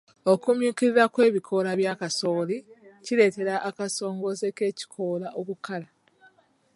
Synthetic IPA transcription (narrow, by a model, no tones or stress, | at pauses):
okumjuːciɾiɾakwe̞ːβikʰo̞laβjaːkasoːliciɾe̞ːte̞ɾaʔːkaso̞ːŋɡoze̞ke̞ːci̥kʰo̞ːlaʔokukala